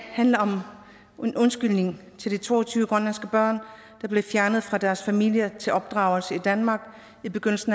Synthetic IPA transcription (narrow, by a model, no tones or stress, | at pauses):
hænləɒ̽m | e̝nʔɔ̽nsɡ̥yl̰ne̝ŋt͡sʰe̝ld̥it͡sʰo̝̰ːɒt͡sʰyːʊəɡ̥ʁɒnlænsɡ̥əb̥ɶɐ̰n | d̥ɑ̈b̥le̝fjæɐnəð̞̩ˠfʁɑ̈d̥æɐsfæmil̰jɐt͡sʰe̝lʔɒ̽b̥̚d̥ʁɑ̈ʊl̩səid̥ænmɑ̈ːɡ̥ | ib̥e̝ɡ̥øn̰l̩sn̩